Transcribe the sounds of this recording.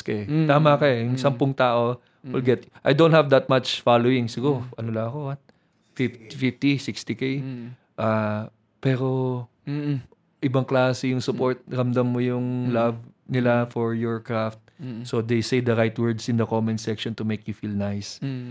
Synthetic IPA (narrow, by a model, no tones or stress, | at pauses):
skɛaːmɐkɐɛjʊŋsɐmpʊŋt̪aːʔo̞ | wɪlɡɛt̪ʔajd̪ownt̪̚hɐvd̪ɐt̪̚mat͡ʃfalowɪŋsɪɡuɾoʔɐnolɐɐko̞wɐt̪̚ | fɪft̪fɪft̪isɪkst̪ikej | ʔa | pɛːɾo̞ | ʔɪbɐŋklaːsɛjʊŋsʊpoɹt̪̚ɾɐmd̪ɐmːojʊŋlɐvnɪlafɔɹjɔɹkɹaft̪̚sod̪ejsejd̪ɐɾajt̪wɛɹd̪sɪ̃nd̪ɐkomɛ̃nsɛkʃɔnt̪ʊmejkjʊfilnajs